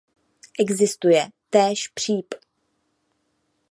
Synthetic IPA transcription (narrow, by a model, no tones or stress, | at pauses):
ʔɛɡzɪst̪ujɛt̪ɛːʃpr̝̥iːp